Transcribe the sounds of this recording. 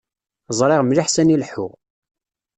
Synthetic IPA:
zˤɾˤɪʁmliħsænilħʊ̰ʁ

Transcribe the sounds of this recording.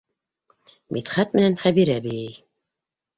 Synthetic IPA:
mʔḭt̪χæt̪̚mɘ̆nænχæβiɾæbɘ̆jɘj

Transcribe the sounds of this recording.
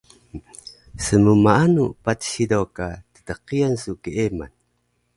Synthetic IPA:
səmumaanupatsidokatə̥təqiansukiema̰n

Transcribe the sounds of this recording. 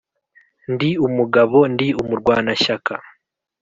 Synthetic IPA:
ndiumuɡaβo̞ndiumuɾɡwaːnaʃaka

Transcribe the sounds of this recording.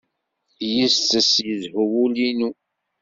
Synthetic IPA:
jist͡s̪ːəsjəðhuwulinu

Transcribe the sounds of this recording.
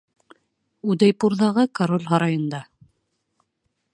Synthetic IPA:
ud̪æjpuɾðɑʁɤkaɾolʲɦɑɾɑjɤ̆nd̪ɑ

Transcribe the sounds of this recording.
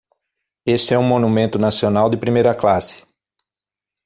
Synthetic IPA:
esɪɛũmõnumẽnt̪ʊnasionawd̪ɪpɾimejɾɐklasɪ̥

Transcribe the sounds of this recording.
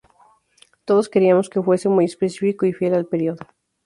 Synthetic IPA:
t̪o̞ðo̞ske̞ɾiamo̞ske̞fwe̞semuje̞spesifikoifje̞lalpe̞ɾjoðo

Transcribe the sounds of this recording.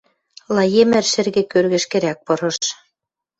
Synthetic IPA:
lˠɑjemɘ̆rʃɘ̆rɣɘ̆kørɣɘ̆ʃkɘ̆ɾæk̚pɤ̆ɾɤ̆ʃ

